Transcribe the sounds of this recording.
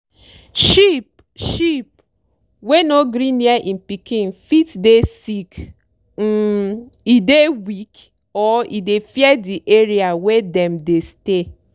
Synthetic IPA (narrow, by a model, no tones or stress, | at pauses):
ʃip̚ | ʃip̚ | wenoɡɾĩniaʔĩm̩pikĩnfitdesik̩ | idewik | ɔidefjɛdiʔeɾiawɛdɛ̃mdeste